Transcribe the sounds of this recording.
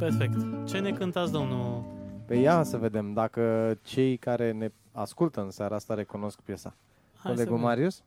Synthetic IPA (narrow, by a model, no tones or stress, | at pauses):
perfekt̪t͡ʃe̞ne̞kɨnt̪at̪sd̪o̞mnupejasəve̞d̪e̞md̪akət͡ʃe̞jkaɾe̞ne̞ | askult̪əɨnsaɾʔaast̪aɾe̞kuno̞skpje̞sa̰ | o̞le̞ɡumaɾius